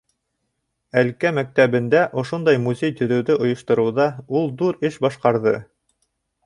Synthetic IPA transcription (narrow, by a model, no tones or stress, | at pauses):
ælkæmæk̚t̪æβɘ̆nd̪æʔŏʃond̪ɑjmuzʲejt̪ɵ̆ɾɵ̆wðɘʔŏjŏʃt̪ŏɾɤ̆wðɑulˠd̪uɾɘʃbɑʃqɑɾðɤ